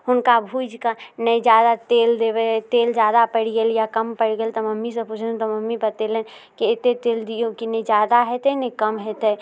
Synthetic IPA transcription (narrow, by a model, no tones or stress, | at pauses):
ɦʊnkabʱuːd͡ʒkanəd͡ʒjaːd̪at̪eːld̪eʋet̪eːld͡ʒjaːd̪apəɽijəljakɐmpəɽɡelt̪ɐmɐmːisepʊt͡ʃʰt̪ɔmɐmːipɐt̪elẽn | keɪt̪et̪eːld̪iokined͡ʒjaːd̪aɦɛt̪enẽkəmɦɛt̪e